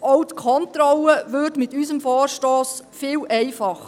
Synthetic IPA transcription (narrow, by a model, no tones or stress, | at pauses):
owtkʰɔntɾɔləʋʏːdmɪtysəmfɔːrʃtɔːs | fɪːlɛɪfɑχ